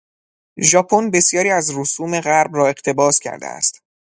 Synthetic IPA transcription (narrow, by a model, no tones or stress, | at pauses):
ʒɒːpʰonbe̞sjɒːɾiːæzɾosuːme̞ɣæɾbrɒːe̞ʁ̥t̪ʰe̞bɒːscʲʰæ̰ɾd̪ḛæ̰st̪